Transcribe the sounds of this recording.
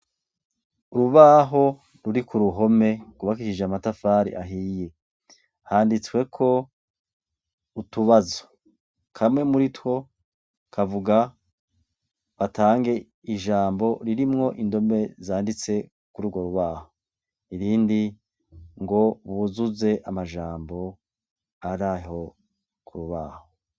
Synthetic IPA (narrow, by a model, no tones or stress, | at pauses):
uɾuβaːɦo̞ | ɾuɾikuɾuɦo̞me̞kuβakiʃid͡ʒamatafaːɾḭʔa̰ɦije̞ | haːndit͡swe̞kʰo̞ | utuβazo̥ | kʰamŋe̞muɾitwo̞ | kʰavuɡa | βataːŋɡe̞ | iʒaːmbo̞ɾiɾimŋo̞ʔindo̞me̞zaːndit͡se̞ | kuɾuɡo̞ɾuβaːho | iɾiːndi | ŋɡo̞βuzuze̞ʔamaʒaːmbo̞ | aɾaɦo̞ | kʰuɾuβa̰ːho